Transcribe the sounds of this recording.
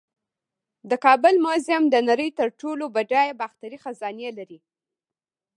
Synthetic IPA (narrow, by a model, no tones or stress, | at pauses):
d̪əkɑbʊlmʊzɪmd̪ənaɾəjt̪əɾʈolobaɖɑjbaxt̪aɾixazɑnijelaɾi